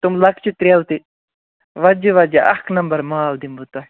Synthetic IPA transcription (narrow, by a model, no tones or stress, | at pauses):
t̪umlɐkʰt͡ʃit̪ɾeːlt̪i | ʋɐd͡ʒiʋɐd͡ʒɐʔɐ̰kʰnɐmbɐɾmaːld̪imbut̪ɐ